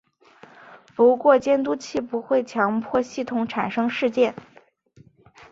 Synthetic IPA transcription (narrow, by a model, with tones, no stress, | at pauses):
pu˧˥kwɔ˥˧t͡ɕjɛ˥nt̪̬u˥t͡ɕʰi˥˩pu˧˥xwe˥˩ɪt͡ɕʰjɑ˧˥ŋpʰwɔ˥˧ɕi˥˩t̪ʰʊ˧˥ŋʈ͡ʂʰa˨˩nʂɤ˥ŋʂɻ̩˥˧t͡ɕjɛ˥˩n